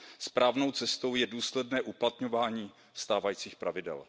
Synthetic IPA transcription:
spɾaːvno̞wt͡sɛst̪o̞wjɛduːslɛdnɛːʔuplat̪ɲo̞vaːɲiː | st̪aːvajiːt͡siːxpɾavɪdɛ̰l

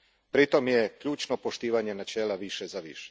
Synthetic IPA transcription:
pɾit̪o̞mjekʎuːt͡ʃno̞poʃt̪iːʋaɲe̞nat͡ʃeːlaʋiʃezaʋḭʃe̥

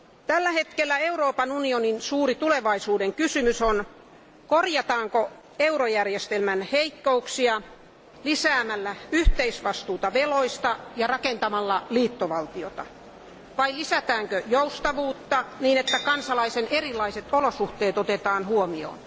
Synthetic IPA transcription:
t̪ælːæhet̪kelːæeuɾoːpɑnunioninsuːɾit̪uleʋɑisuːdeŋkysymyson | korjɑt̪ɑːŋko | euɾojærjest̪elmænheikːouksiɑ | lisæːmælːæyht̪eisʋɑst̪uːt̪ɑʋeloist̪ɑjɑrɑkent̪ɑmɑlːɑliːt̪ːoʋɑlt̪iot̪ɑ̰ | ʋɑilisæt̪æːŋkøjoust̪ɑʋuːt̪ːɑniːnet̪ːækɑnsɑlɑisenerilːˑɑiset̪olosuht̪eːt̪ot̪et̪ɑːnhuomio̰ːn

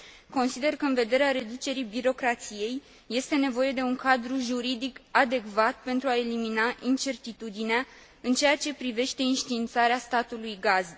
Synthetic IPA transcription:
ko̞nsid̪e̞rkəɨnve̞d̪e̞ɾeaɾe̞d̪ut͡ʃe̞ɾibiɾo̞kɾat̪sije̞jː | e̞st̪e̞ne̞vo̞je̞d̪e̞uŋkad̪ɾuʒuɾid̪ikad̪e̞kvat̪̚pe̞nt̪ɾuae̞liminaʔint͡ʃe̞rt̪it̪ud̪inea | ɨnt͡ʃe̞at͡ʃe̞pɾive̞ʃt̪e̞inʃt̪iːnt̪saɾeast̪at̪ulujɡaz

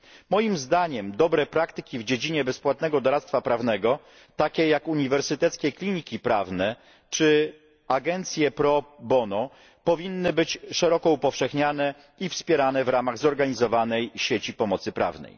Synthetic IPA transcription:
mɔjimzd̪aɲɛmd̪ɔbɾɛpɾakt̪ɘkʲivd͡ʑed͡ʑiɲɛbɛspwat̪nɛɡɔd̪ɔɾat̪st̪fapɾavnɛɡɔ | t̪akʲɛjakuɲivɛɾsɘt̪ɛt̪skʲɛklʲiɲikʲipɾavnɛ | t͡ʂɘ | aɡɛnt̪sʲjɛpɾɔbɔnɔ | pɔvʲinːɘbɘt͡ɕʂɛɾɔkɔupɔfʂɛxɲanɛ | ifspʲjɛɾanɛvɾamaɣzɔɾɡaɲizɔvanɛjɕet͡ɕipɔmɔt̪sɘpɾa̰vnɛ̰j

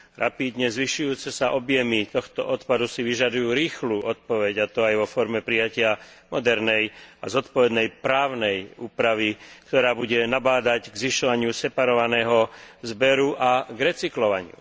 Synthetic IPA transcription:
ɾa̰pid̪ɲɛzʋiʃujuːt͡sɛsaʔɔbjɛmit̪ɔxt̪ɔ̰ʔɔt̪pad̪usiʋiʒad̪ujuːɾiːxluːʔɔt̪̚pɔʋɛɟat̪ɔajʋɔfɔɾmɛpɾijacɪa | mɔd̪ɛɾnɛja̰zɔt̪pɔʋɛd̪nɛjpɾaːʊnɛjuːpɾaʋikt̪ɔɾaːbuɟɛnabaːd̪aɟɡzʋiʃɔʋaɲɪusɛpaɾɔʋanɛːɦɔzbɛɾuʔaɡɾɛt͡siklɔʋaɲɪṵ

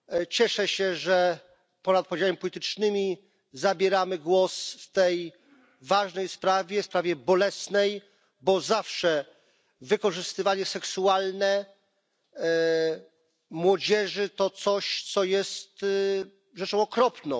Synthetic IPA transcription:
t͡ɕɛʂɛɕɛʐɛ | pɔnat̪̚pɔd͡ʑawɛmʲipɔlʲit̪ɘt͡ʂnɘmʲi | zabʲjɛɾamɘɡwɔsft̪ɛj | vaʐnɛjspɾavʲjɛspɾavʲjɛbɔlɛsnɛj | bɔzafʂɛ | vɘkɔʐɘst̪ɘvaɲɛsɛksualnɛ | mwɔd͡ʑɛʐɘt̪ɔt̪sɔɕt̪sɔjɛst̪ | ʐɛt͡ʂɔ̃w̃ɔkɾɔpnɔ̃w̃

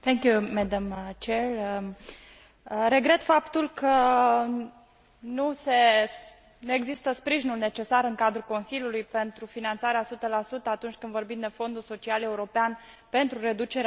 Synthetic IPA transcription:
θʰɛŋkjumɛd̪amt͡ʃerə | ɾe̞ɡɾe̞t̪fapt̪ulkʰə | nuse̞ | nue̞ɡzist̪əspɾiʒinulne̞t͡ʃe̞saɾɨŋkad̪ɾuko̞nsiljulujpe̞nt̪ɾufinant̪saɾeasut̪əlasut̪əat̪unt͡ʃʲkɨnd̪vo̞rbimd̪e̞fo̞nd̪ulso̞t͡ʃiale̞uɾo̞pean | pe̞nt̪ɾuɾe̞d̪ut͡ʃe̞ɾ

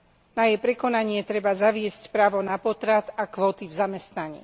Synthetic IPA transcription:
najɛjpɾɛkɔnaɲɪɛt̪ɾɛbazaʋɪɛscpɾaːʋɔnapɔt̪ɾat̪akʋɔːt̪ivzamɛst̪naɲḭː

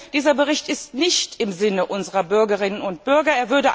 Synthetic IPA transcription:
d̥iːzɐbəʁɪçtɪstnɪçtɪmzɪnəʔʊnzəʁɐbʏɐɡəʁɪnənʊntb̥ʏɐɡɐeːɐvʏɐdə

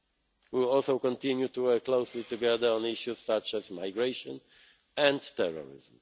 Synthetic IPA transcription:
wiɔlsowkɔ̃nt̪ɪ̃njut̪uwɛkːlowslit̪uɡɛd̪ə˞ɔ̃niʃjusːat͡ʃɛzmajɡɹeʃɔ̰̃n | ɛ̃ndtɛɹɔ̰ɹɪ̰zm̩

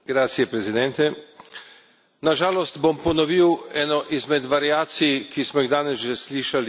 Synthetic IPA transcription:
ɡɾaːt̪sijɛpɾɛzid̪ɛnt̪ɛ | naʒaːlɔst̪bɔmpɔnɔʋiwɛːnɔʔizmɛd̪ʋaɾjaːt̪sikismɔiɣd̪aːnɛsʒɛsliːʃal

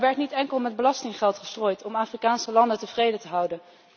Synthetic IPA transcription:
ʋɛɹtnitɛŋkəlˠmɛd̚bəlɑstɪŋχɛlˠtχəstroːjtʰɔmaːfrikaːnsəlɑndətəvrejdətəɦʌwdən

